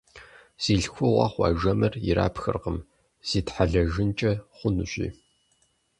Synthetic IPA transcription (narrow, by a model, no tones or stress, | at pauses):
z̥iːɮxʷʊʁɑ̰χʷɑ̰ːʒɐmɨrjɪ̰ɾʔa̰ːpʰxɨ̰rqəm | z̥iːtħaɮɐʒɪnt͡ʃʼɐχʷʊnuɕḭː